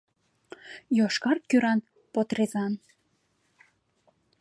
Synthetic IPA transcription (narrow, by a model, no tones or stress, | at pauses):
joʃkɑrkyɾɑn | pot̪rezɑn